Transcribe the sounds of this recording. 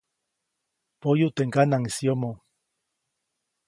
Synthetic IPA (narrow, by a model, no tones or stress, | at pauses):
pojut̪eŋkanaŋisjomo